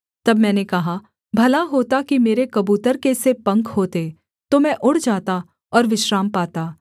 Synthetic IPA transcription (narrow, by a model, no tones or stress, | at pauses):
t̪ɐbmɛ̃ːnekɐɦa | bʱɐlaɦoːt̪akimeːɾekɐbuːt̪əɾkesepɐ̃ŋkɦoːt̪e | t̪omɛ̃ʔʊɽd͡ʒaːt̪a | ɔːɾʋɪʃɾaːmpaːt̪aː